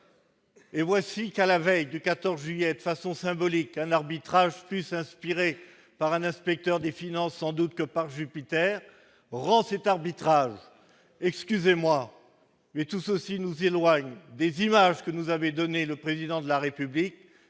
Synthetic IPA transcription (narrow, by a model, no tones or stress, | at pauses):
evwasikalavɛjd̪əkat̪ɔʁzʒɥyijɛd̪əfasɔ̃sɛ̃bɔlikɛ̃naʁbit̪χaʒplysɛ̃spiʁe | paʁɛ̃nɛ̃spɛk̚t̪œʁd̪efinɑ̃sːɑ̃d̪ut̪kəpaʁʒypit̪ɛʁ | ʁɑ̃sɛt̪aʁbit̪χaʒ | ɛkskʲyzemwa | mɛt̪usəsinuzelwaɲd̪ezimaʒkənuzavɛ̃d̪ɔneləpχezid̪ɑ̃d̪əlaʁepyblik̚